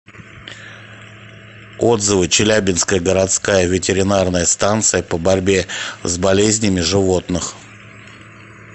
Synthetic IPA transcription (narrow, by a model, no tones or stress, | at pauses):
o̞d̪zɨvɨt͡ɕɪlʲæbʲɪnskəjəɡəɾɐt̪skajəvʲɪtʲɪɾʲɪnarnəjəst̪ant̪sɨjəpəbɐɾʲbʲe̞zbɐlʲezʲnʲɪmʲɪʐɨvo̞t̪nɨx